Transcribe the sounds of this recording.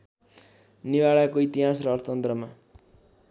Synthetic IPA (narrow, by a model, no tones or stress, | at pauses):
niwaɭakoit̪iɦasrʌːrt̪ʌnt̪rʌma